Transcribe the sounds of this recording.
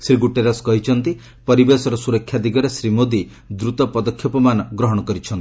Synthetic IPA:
sɾiɡuʈeɾɔskɔɦit͡ʃʰɔnt̪i | pɔɾibesɔɾɔsuɾɔkʰːjad̪iɡɔɾesɾimod̪i | d̪ɾut̪ɔpɔd̪ɔkʰːjɔpɔmanɔɡɾɔɦɔɽɔkɔɾit͡ʃʰɔnt̪ii

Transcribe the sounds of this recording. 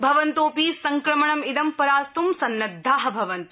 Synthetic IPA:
bʱɐʋɐnt̪oːpisɐŋkɾɐmɐɳɐmid̪ɐmpɐɾaːst̪umsɐnːɐd̪ʱːaːɦɐ̆bʱɐʋɐnt̪

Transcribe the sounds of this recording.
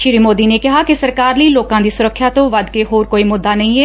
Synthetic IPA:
ʃɪɾiːmoːd̪iːneːkɪɦaːkɪsəɾkaːɾliːloːkãːd̪iːsʊɾəkʰːjaːt̪õːʋəd̪keɦoːɾkoːiːmʊd̪ːaːnəĩːɛː

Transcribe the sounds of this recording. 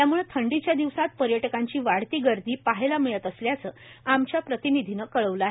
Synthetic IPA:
t̪jamuɭet̪ʰəɳɖit͡ɕjad̪iʋsat̪̚pəɾjəʈəkaɲt͡ɕiːʋaɽt̪iːɡəɾd̪ʱiːpaɦelamiɭət̪əsljat͡səamt͡ɕjapɾət̪inid̪ʱinəkəɭəʋləaɦe

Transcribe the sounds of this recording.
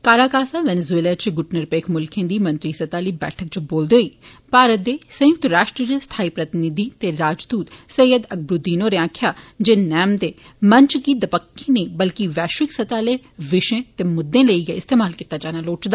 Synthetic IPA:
kaːɾaːkaːsaːʋɛnezueːlaːt͡ʃɡʊʈnəɾpeːkʰmʊlkʰẽːd̪iːmə̃nt̪ɾiːsət̪aːliːbɛ̰ːʈʰək̚t͡ʃboːld̪eɦoːiː | paːɾət̪̚d̪eːsə̃jʊkt̪ɾaːʃʈɾiːəst̪ʰaːiːpɾət̪ɪnɪd̪iːt̪eːɾaːd͡ʒd̪uːt̪səjəd̪ək̚ʰbɾʊd̪ːiːnoːɾeãːkʰjaːd͡ʒeːnɛːmd̪eːməɲt͡ʃɡiːd̪əpəkʰːẽːnəĩːbəlkiʋɛːʃʋɪksət̪aːleː | ʋɪʃẽːt̪eːmʊd̪ːẽːləiːɡḛɪst̪eːmaːlkit̪ːaːd͡ʒaːnaːloːt͡ʃd̪aː

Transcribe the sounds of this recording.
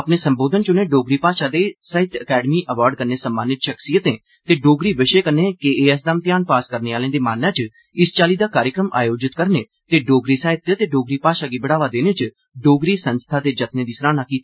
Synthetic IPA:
əpneːsəmboːd̪ənt͡ʃʊnẽːɖoːɡɾiːpaːʃaːd̪eːsaːɪt̪əkɛːɖmiːʔəʋaːɾɖ̚kəɾneːsəmːaːnɪt̪ʃəksijət̪ẽː | t̪eːɖoːɡɾiːʋɪʃeːkəneːkeeːəs̬d̪aːmt̪ɪjaːnpaːskəɾneːaːlẽːd̪eːmaːnaːt͡ʃ | ɪst͡ʃaːliːd̪aːkaːɾjəkɾəma̰ːjoːd͡ʒɪt̪kəɾneː | t̪eːɖoːɡɾiːsaːɪt̪ːt̪eːɖoːɡɾiːpaːʃaːɡiːbəɽaːʋaːd̪eːneːt͡ʃ | ɖoːɡɾiːsənst̪ʰaːt̪eːd͡ʒət̪nẽːd̪iːsɾaːnaːkiːt̪i

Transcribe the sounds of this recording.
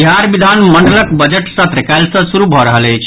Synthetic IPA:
ɦaɾbid̪ʱanməɳɖələkbəd͡ʒeʈsət̪ɾəkaɪlsə̃suɾubʱɔɾəɦələɪt͡ʃʰ

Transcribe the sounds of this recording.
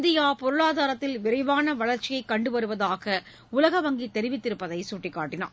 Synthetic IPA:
nd̪ɪjaːpɔɾɯɭaːðaːɾɐt̪ːɪlʋɪɾɐɪʋaːnɐʋɐɭɐɾt͡ʃːɪjɐɪkːɐɳɖɯʋɐɾɯʋɐðaːɣɐ | ʊlɐɣɐʋɐŋɡit̪ːɛɾɪʋɪt̪ːɪɾɯpːɐðɐɪsuʈːrɪkːaːʈːɪna̰ːɾ

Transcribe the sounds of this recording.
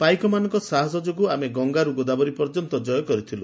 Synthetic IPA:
pajkɔmanɔŋkɔsaɦɔs̬ɔd͡ʒɔɡuameɡɔŋɡaɾuɡod̪abɔɾipɔɾd͡ʒɔnt̪ɔd͡ʒɔjɔkɔɾit̪ʰilu

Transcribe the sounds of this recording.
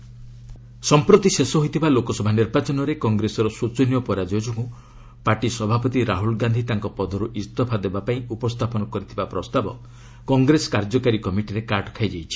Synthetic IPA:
sɔmpɾot̪isesɔɦojt̪ʰibalokɔsɔbʱaniɾbat͡ʃɔnɔɾekɔŋɡɾesɔɾɔsut͡ʃɔnijɔpɔɾad͡ʒɔd͡ʒɔkũ | paʈisɔbʱapɔt̪iɾaɦulɡand̪ʱit̪aŋkɔpɔd̪ʱɔɾuʔist̪ɔpʰad̪ebapaĩupɔst̪ʰapɔnɔkɔɾit̪ʰibapɾɔst̪abɔ | kɔŋɡɾesɔ̥kaɾd͡ʒɔkaɾikɔmiʈiɾekaɾʈɔ̥kʰajd͡ʒajt͡ʃʰi̥

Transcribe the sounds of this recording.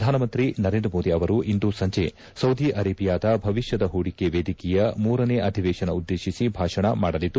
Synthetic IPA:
d̪ʱaːnɐmɐnt̪ɾinɐɾend̪ɾɐmoːd̪iɐʋɐɾuʔind̪usɐɲt͡ʃe | sɐwd̪iʔɐɾeːbijaːd̪ɐbʱɐʋiʃjɐd̪ɐɦuːɽikeʋeːd̪ikijɐmuːɾɐneʔɐd̪ʱiʋɛːʃɐnɐud̪ːeːʃisibʱaːʂɐɳɐmaːɽɐlid̪ːu

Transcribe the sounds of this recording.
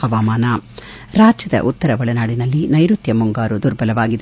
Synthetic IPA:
ɐʋaːmaːnaː | ɾaːd͡ʒɐd̪ɐ̰ʔut̪ːɐɾɐʋɐɭɐnaːɽinɐlːinɐjɾut̪jɐmuŋɡaːɾud̪uɾbɐlɐʋaːɡid̪

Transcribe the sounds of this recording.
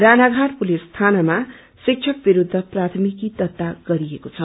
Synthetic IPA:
ranaɡʱaʈpulist̪ʰanʌma | sik̚t͡ʃʰʌk̚biɾud̪ʱːʌprat̪ʰmikid̪ʌt̪ːaɡ̥ʌɾiekot͡sʰʌ

